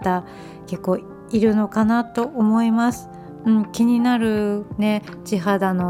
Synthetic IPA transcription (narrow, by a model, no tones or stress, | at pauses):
t̪a | ke̞kːo̞ː | iɾɯ̟no̞kanat̪o̞ʔomo̞imasɨ̥ | ɯ̟̃ɴkʲiɲ̟inaɾɯ̟ne̞ | t͡ɕiɦad̪ano̞